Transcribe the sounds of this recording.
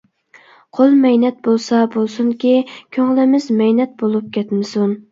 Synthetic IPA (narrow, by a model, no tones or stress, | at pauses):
qʰolˠmɛjnɛt̪̚bolˠsɑbolˠsuŋkʲikʲʰøŋlɪmɪzmɛjnɛt̪̚bolˠup̚kʲɛt̪mɪsun